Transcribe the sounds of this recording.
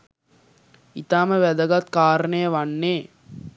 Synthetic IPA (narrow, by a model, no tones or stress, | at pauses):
it̪aːməʋæd̪əɡɐt̪kaːɾənejəʋanːeː